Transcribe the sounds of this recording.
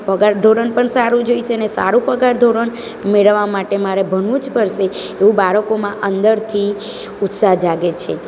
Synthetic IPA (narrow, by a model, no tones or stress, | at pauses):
pəɡaɾd̪ʱoɾənpəɳsaɾũd͡ʒoisenesa̰ɾũpəɡaɾd̪ʱoɾəɳ | meɭʋamaʈemaɾebʱənũt͡ʃbʱəɾʃe | eʋũbaɾəkomãʔənd̪əɾt̪ʰi | ut̪saɦd͡ʒaɡet͡ʃʰe